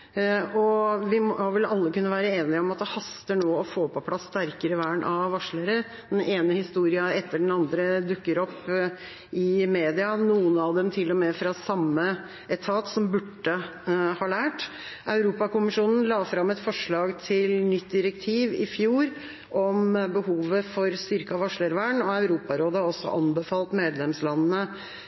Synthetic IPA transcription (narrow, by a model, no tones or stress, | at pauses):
ɔʋɪʋɪlɑlːəkʉnːəʋæːɾəeːnɪɔmɑt̪̚d̪ɛhɑst̪əɳoːɔfoːpʰɔpʰlɑsːt̪æɾkəɾəʋæːɳʔɑʋɑʂɭəɾə | d̪̥ɛneːnəhɪst̪uːɾɪɑɛt̪ːəɖɛn̩ɑnd̪ɾəd̪ʉkːəɾɔpː | ɪmeːd̪ɪɑnuːənɑʋd̪ɛmt̪ʰɪlːɔmɛfɾɑsɑmːə | ɛt̪ʰɑːt̪sɔmbʉʈːəhɑːlæːʈɑʉɾuːpɑkʊmɪʂuːnn̩lɑːfɾɑmːɛt̪fɔʂɭɑːɡt̪ʰɪlnʏt̪̚d̪ɪɾəkt̪ʰiːʋɪfjuːɾ | ʔɔmbəhuːʋəfɔɾst̪ʏɾkəɑʋɑʂɭəɾʋæːɳɔɑʉɾuːpɑɾoːd̪əɔsːɔ̰ʔɑnbəfɑːlt̪meːd̪lɛmslɑnənə